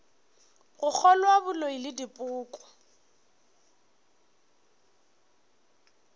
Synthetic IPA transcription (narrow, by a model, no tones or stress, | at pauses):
ɣʊk͡xʰɔlwabʊloilɪdipʼʊːkʼɔ̥